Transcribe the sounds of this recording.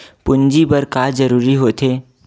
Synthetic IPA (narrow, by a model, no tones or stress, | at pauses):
pʊnd͡ʒibəɾkaːd͡ʒəɾuːɾiɦoːt̪eː